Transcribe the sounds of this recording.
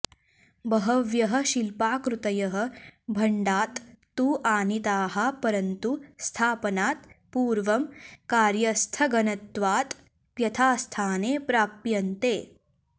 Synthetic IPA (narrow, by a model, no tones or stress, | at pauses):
bɐɦɐʋjɐɦɐ̆ʃilpaːkɾut̪ɐjɐɦɐ̆bʱɐɳɖaːt̪ː | uːʔaːnit̪aːɦɐ̆pɐɾɐnt̪ust̪ʰaːpɐnaːt̪puːɾʋɐmkaːɾjɐst̪ʰɐɡɐnɐt̪ʋaːt̪ | pjɐt̪ʰaːst̪ʰaːneːpɾaːpjɐnt̪eː